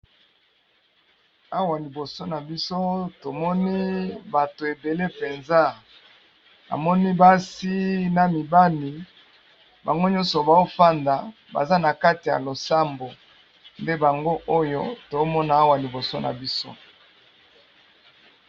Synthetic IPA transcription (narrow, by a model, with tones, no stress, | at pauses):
a˦wa˨li˨bo˨so˦na˨bi˦so˦to˨mɔ˦ni˦ba˨to˨e˨be˨le˦pe˨nza˦ | a̰˨mɔ˦ni˦ba˦si˦na˨mi˨ba˦li˨ | ba˨ŋɡo˦ɲɔ̃˦nsɔ˨ba˨o˦fa˦nda˨ | ba̰˨za˦na˨ka˦ti˨ja̰˨lo˨sa˦mbo˨ | nde˦ba˨ŋɡo˦ʔo˦jo˦to˨˦mɔ˦na˦a˦wa˨li˨bo˨so˦na̰˨bi˦so̰˦